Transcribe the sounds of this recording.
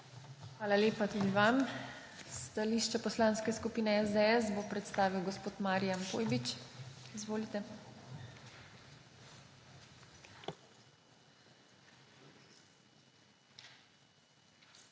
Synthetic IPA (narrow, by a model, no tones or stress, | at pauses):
xʋaːlaleːpat̪ud̪iʋam | st̪aliːʃt͡ʃɛpɔslãnskɛskupiːnɛɛzd̪ɛɛsbopɾɛt̪st̪aːʋiwɡɔspoːt̪maːɾijampoːjbit͡ʃizʋoːlit̪ɛ